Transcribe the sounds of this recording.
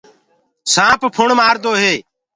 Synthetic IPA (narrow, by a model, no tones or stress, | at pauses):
sãːppʰʊɳmaːɾd̪oːɦeː